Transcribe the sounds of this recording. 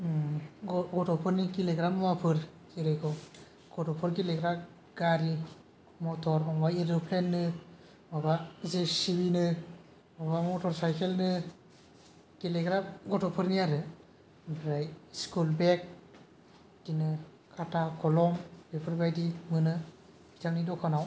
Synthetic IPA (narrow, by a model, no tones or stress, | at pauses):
ɡɡɔtʰɔpʰɯɾnikileɡɾamɔmapʰɯɾ | siɾɯjkʰɔ | ɡ̥ɔtɔpʰɯɾkileɡɾa | ɡ̥aɾi | mɔtʰɔɾɔŋbaiɾɯpʰlenːɯ | mɔbazesibinɯ | mɔbamɔtʰɔɾsajkʰelnɯ | kileɡɾamɡɔtʰɔpʰɯɾniaɾɯ | bɾajskulbek̚ | d̥inɯ | kʰatʰakʰɔlɔmbepʰɯɾbajdimɯnɯ | bitʰaŋnidɔkʰanaw